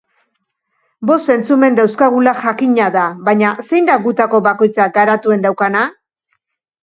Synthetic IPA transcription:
bo̞st̪e̞nt͡sume̞nd̪awskaɣ̞ulaʝakiɲaðaβaɲase̞jnd̪aɡut̪ako̞βako̞jt͡saɡaɾat̪ue̞nd̪awkana

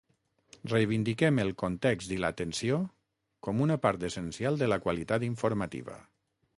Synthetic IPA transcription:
rejβind̪ikɛməlˠkont̪ɛkzt̪ilə̰a̰t̪ənsio | kɔmunəpaɾt̪əsənsialˠd̪ələkwalit̪at̪iɱfuɾmat̪ḭβə̰

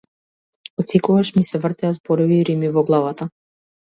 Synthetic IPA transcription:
ɔt̪sikɔɡaʃmisɛvrt̪ɛazbɔɾɔviːɾimivɔɡlˠavat̪a

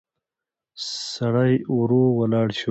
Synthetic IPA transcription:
saɽajɾowɐlɑːɽɕu

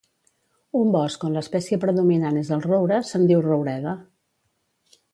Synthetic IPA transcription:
umbɔskonləspɛsiəpɾəðuminanezðəlˠrowɾəsənd̪iwrowɾɛðə

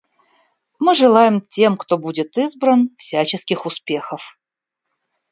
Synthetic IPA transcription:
mɨʐɨlˠajɪmtʲemkt̪o̞budʲɪt̪ɨzbɾənfsʲæt͡ɕɪskʲɪxʊspʲe̞xəf

